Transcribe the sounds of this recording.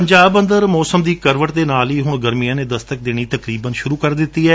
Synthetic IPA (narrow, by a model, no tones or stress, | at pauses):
pəɲd͡ʒaːbə̃nd̪əɾmɔːsəmd̪iːkəɾʋəʈd̪eːnaːliːɦʊɳɡəɾmijãːneːd̪əst̪ək̚d̪eːɽ̃iːt̪əkɾiːbənʃʊɾuːkəɾd̪ɪt̪ːiːɦɛː